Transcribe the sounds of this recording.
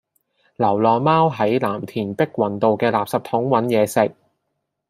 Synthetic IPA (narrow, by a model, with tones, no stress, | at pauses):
lɐ˨˩wlɔː˨˩nmaː˥wɦɐ˨˥jlaː˨˩mt̪ʰiː˨˩npɪ˥k̚wɐ˨˩nt̪o˨wkɛː˧laː˨p̚sɐ˨p̚t̪ʰʊ˨˥ŋwɐ˨˥njɛː˨˧sɪ˨k̚